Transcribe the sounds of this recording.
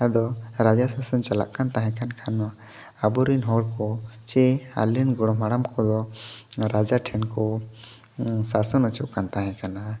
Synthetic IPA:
ad̪ɔɾad͡ʒasasɔnt͡ʃala̰ʔkant̪aɦɛ̃kankʰanwaː | bɔɾinɦɔɽkɔt͡ʃɛa̰linɡɔɽɔmaɽamkʰɔd̪ɔɾad͡ʒaʈʰɛnkɔ | sasɔnɔt͡ʃuʔkant̪aɦɛ̃kana

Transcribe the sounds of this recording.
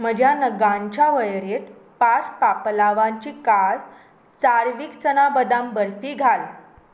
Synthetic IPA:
m̤əd͡ʑʱjanəɡãɲt͡ɕaʋəjɽet̪ | paspaplaʋãɲt͡ɕiːkad͡z | t͡saɾʋiːkt͡sənabəd̪ambəɾfiːɡʱal

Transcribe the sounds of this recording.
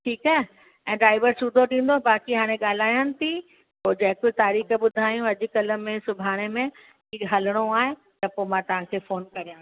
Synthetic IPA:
ʈʰiːkaːɦe | ɛ̃ːɖɾaːɪʋəɾsuːd̪ʱoɗĩːn̆d̪obaːkiɦaːɽ̃ẽɠaːl̤aːjanɪ̆t̪ʰi | poːd͡ʑɐ̃ɦkʊɪt̪aːɾiːxbʊd̪ʱaːjũɐd͡ʑʊ̆kɐlə̆mẽsʊbʱaːɽ̃emẽ | iːɦɐləɽ̃oaːɦe | t̪ɐpomãt̪ɐʋ̤ãkʰeːfoːnkɐɾijãː

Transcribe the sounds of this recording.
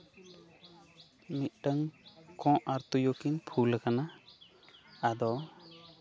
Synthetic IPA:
mit̪̚ˀɖəŋkɔ̃ʔaɾt̪ujokinpʰulakana | d̪ɔ

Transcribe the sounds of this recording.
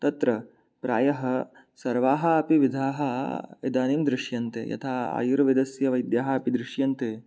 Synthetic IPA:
t̪ɐt̪ɾɐ | pɾa̰ːjɐɦɐ | sɐɾʋaːɦɐɐpiʋid̪ʱaːɦɐḛd̪aːnimd̪ɾɪʂjɐnt̪ḛjɐ̰t̪ʰaːa̰ːjuɾɐʋid̪ɐsjɐʋɐjd̪jaːɦɐɐpid̪ɾɪʃjɐnt̪eː

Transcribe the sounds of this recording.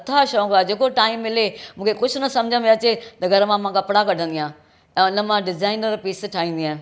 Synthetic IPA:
ɐt̪ʰaʃɔ̃ːkad͡ʑeːkoʈaːɪmːɪlemũːkʰekʊd͡ʑʱʊnɐsɐ̃md͡ʑʱə̃mẽɐt͡ɕet̪ɐɡʱɐɾmãmãkɐpɽakɐɖʱə̃nd̪ijãː | ɛ̃ːʊnəmãɖɪzaːɪnəɾpiːsʈʰaːɦĩːnd̪iãː

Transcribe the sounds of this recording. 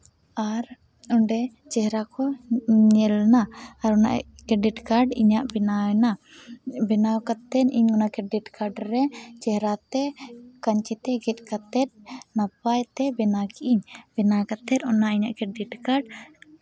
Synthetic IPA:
aɾ | ɔɳɖɛ | t͡ʃɛɦɾakɔɲɛlnaːɾɔna̰ʔɛ̰kɾɛɖiʈkaɾɖiɲaʔbɛnana | bɛnawkat̪ɛniɲɔnakɾɛɖiʈkaɾɖɾɛt͡ʃɛɦɾat̪ɛkaɲt͡ʃit̪ɛɡɛt̪̚ˀkat̪ɛt̪̚napajt̪ɛbɛnaɡiʔiɲbɛnakat̪ɛt̪̚ɔnaʔiɲaʔkɾɛɖiʈkaɖ

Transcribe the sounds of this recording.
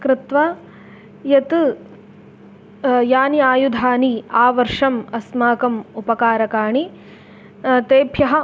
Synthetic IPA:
kɾɪt̪ʋɐ | jɐt̪ɨ | jaːniaːjud̪ʱaːniaːʋɐɾʂɐmɐsmaːkɐmupɐkaːɾɐkaːɳi | t̪eːbʱjɐɦɐ̆

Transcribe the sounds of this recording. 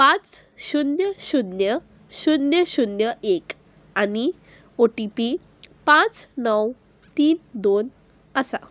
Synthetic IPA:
pãt͡s | ɕunjəɕunjə | ɕunjəɕunjəʔek | ani | oʈipi | pãt͡snəw | t̪iːnd̪on | əsa̰

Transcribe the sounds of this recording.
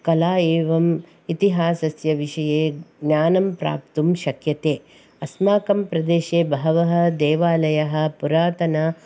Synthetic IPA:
kɐlaːeːʋɐm | it̪iɦaːsɐsjɐʋiʃɐjeːɡnjaːnɐmpɾa̰ːp̚t̪umʃɐkjɐt̪eː | ɐsmaːkɐmpɾɐd̪eːʃeːbɐɦɐʋɐɦɐ̆d̪eːʋaːlɐjɐɦɐ̆puɾaːt̪ɐnɐ

